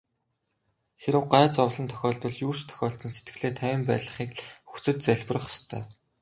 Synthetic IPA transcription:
xeɾɘ̆wɢaːt͡sɔwɮə̆nt̪ʰœ̥xʲɔːɮt̪ə̆ɮjuːʃt̪ʰœ̥xʲɔːɬt̪ɘ̆nset̪̚ɡɘ̆ɮeːt̪ʰæwʲɪ̆mpæːɮə̆χiːkxut͡sɘ̆t̪̚t͡sæɮpə̆rə̆χɔ̥st̪ʰœ̰ː

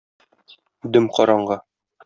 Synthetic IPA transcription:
d̪ɵmqɒɾɑɴɢɑ

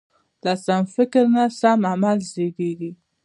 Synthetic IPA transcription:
lasamfɪkɾnasamamalzeɡeɡi

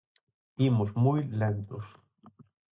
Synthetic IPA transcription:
t̪imosmujlent̪os

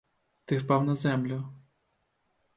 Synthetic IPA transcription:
t̪ɪfpɑwnɐzɛmlʲʊ

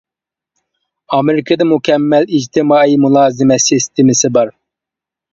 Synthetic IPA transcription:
ɑmɪɾɪkʰɨd̪ɨmukʲʰɛmːɛlid͡ʒt̪ʰɪmɑːimulˠɑːzɪmɛsist̪ʰɪmɪsɪbɑɾ

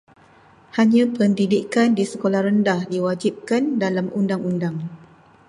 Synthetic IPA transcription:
haɲãpəndidikandisəkolahrəndahdiwad͡ʒip̚kandalamundaŋundaŋ

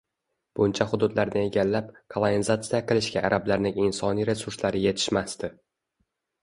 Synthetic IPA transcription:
b̥ʊnt͡ʃʰahʊd̪ʊd̪laɾnɪe̞ɡʲalːapkʰolˠonizat̪sɨjaqʰɨlˠɪʃɡʲaʔːɾʔablaɾnɪŋɪnsɒniɾe̞sʊɾslaɾɪje̞t̪ʰɪ̥ʃmast̪ɪ

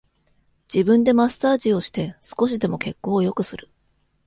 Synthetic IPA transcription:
d͡ʑ̥ibɯ̟̃nd̪e̞masaːʑio̞ɕi̥t̪e̞sɨ̥ko̞ɕ̬id̪e̞mo̞ke̞kːo̞ːjo̞kɯ̟sɨɾɯ̟̥

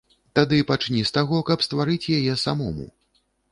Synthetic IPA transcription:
t̪ad̪ɨpat͡ʂnʲist̪aɣɔkɐpst̪vaɾɨt͡sʲjajɛsamɔmṵ

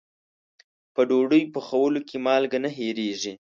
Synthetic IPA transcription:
pəɖoɖəjpəxawəlokʰemɑlɡanaɦeɾeʐi

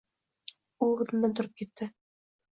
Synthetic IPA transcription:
ulˠʁɤ̆t̪ɤ̆nd̪ɑnt̪ŏɾop̚kit̪ːɘ

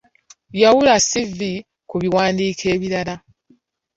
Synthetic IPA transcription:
jawulasivi | kuβiwaːndiːkʰe̞ːβiɾala

